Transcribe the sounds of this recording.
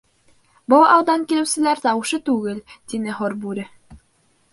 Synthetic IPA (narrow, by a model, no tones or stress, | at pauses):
bow̪ˠɑwd̪ɑŋkilɘ̆wsɘ̆læɾt̪ɑwɤ̆ʃɤt̪ʉɡɘlt̪inɘɦoɾbʉɾɘ